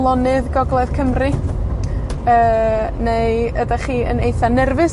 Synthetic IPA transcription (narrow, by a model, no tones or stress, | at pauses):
lˠɔnɨðɡɔɡlˠɛðkʰəmrɨ | əːnejədaχiːə̰nejθanɛrvɨs